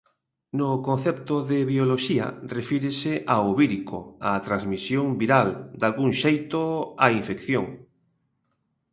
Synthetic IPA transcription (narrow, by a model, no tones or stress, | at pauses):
nʊkon̟θɛp̚t̪ʊðeβioloʃiɐ̰refiɾesɪʔaoβiɾiko̰at̪ɾazmisjoŋbiɾald̪alɣuŋʃejt̪oaiɱfekθjoŋ